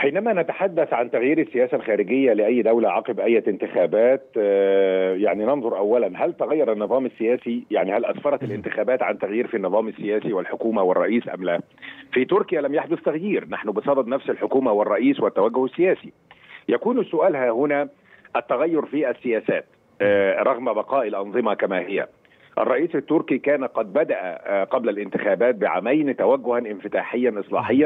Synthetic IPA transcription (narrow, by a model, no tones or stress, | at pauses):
ħiːnæmæːnæt̪aħad̪ːæθʕant̪æɣjiːɾɪsːɪjæːsælxæːɾɪɡɪjːælɪʔæjːd̪æwlaʕɑːqebʔæjːæɪnt̪ɪxæːbæːt̪ | jaʕninɑnðˤoɾʔæwːælænɦælt̪æɣæjːɑɾˤænːɨðˤɑːmɪsːɪjæːsijaʕnihælʔɑ̰sfɑɾˤɑt̪ɪlʔɪnt̪ɪxæːbæːt̪ʕant̪æɣjiːɾfinːɨðˤɑːmɪsːɪjæːsiwɪlħokuːmæwɪrˤːɑ̰ʔiːsʔæ̰mlæ | fit̪ʊɾkɪjælæmjaħd̪ʊθt̪aɣjiːɾnaħnʊbɨsˤɑd̪ɑd̪næfsɪlħʊkuːmæwɪrˤːɑʔiːswɪt̪ːæwæɡːʊhæsːɪjæːsi | jækuːnsːʊʔæːlhæːhʊnæː | ʔæt̪ːæɣæjːʊɾˤfiːʔæsːɪjæːsæːt̪ | ɾˤɑɣmbɑqɑːʔɪlʔɑnðˤɨmɑkæmæhɪjæ̰ | ʔɑ̰rˤːɑʔiːsɪt̪ːʊɾkikæːnqɑd̪̚bæd̪æʔæ̰qɑblælʔɪnt̪ɪxæːbæːt̪̚bɪʕa̰mæjnt̪æwæɡːʊhænʔɪnfɪt̪aːħɪjːænʔɨsˤlɑ̰ːħɪjːæn